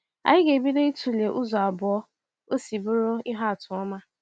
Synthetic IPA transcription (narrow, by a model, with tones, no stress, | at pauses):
a̰˨jɪ˦ɡe˨bi˦ɾe˦i˦tu˨le˨ʔʊ˦zɔ˨a˨bʊ˨ɔ˦ | o˦si˨bʊ˦ɾo˦ɪ˦ɦa˦a˨tʊ˨ɔ˦ma˦